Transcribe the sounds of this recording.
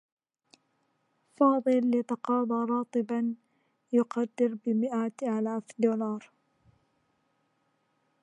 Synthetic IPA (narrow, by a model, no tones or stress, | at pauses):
fɑːd̪ˤɨlːɪt̪ɑqɑːd̪ˤɑɾˤɑːt̪ˤɨban | jʊqad̪ːɪɾbɪmɪʔat̪ʔalaːfd̪uːlɑːɾˤ